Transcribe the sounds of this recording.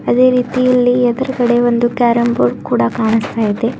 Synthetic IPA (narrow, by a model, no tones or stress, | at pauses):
ɐd̪e̞ːɾiːt̪ijɐlːiɛd̪ɐɾɐkɐɽe̞ʋond̪ukaːɾɐmboɾkuːɽɐkaːɳist̪aːjid̪e